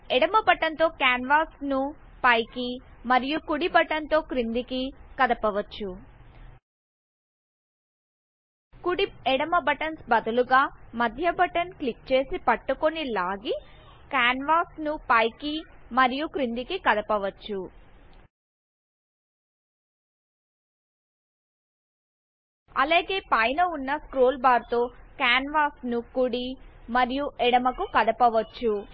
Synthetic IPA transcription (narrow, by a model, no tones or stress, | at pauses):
ɛɽɐmɐbɐʈɐnt̪o̞ːkaːnʋaːsnu | pɐjkimɐɾijukuɽibɐʈɐnt̪o̞ːkɾind̪ikikɐd̪ɐpɐʋɐt͡ʃːu | kuɽiɛɽɐmɐbɐʈɐnsbɐd̪ɐluɡaːmɐd̪ʱjɐbɐʈɐnklik̚t͡ʃe̞ːsipɐʈːukonilaːɡi | kaːnʋaːsnupɐjkimɐɾijukɾind̪ikikɐd̪ɐpɐʋɐt͡ʃːu | ɐleːɡe̞ːpɐjnɐunːɐskɾoːlbaːɾt̪o̞ːkaːnʋaːsnukuɽimɐɾijuʔɛɽɐmɐkukɐd̪ɐpɐʋɐt͡ʃːu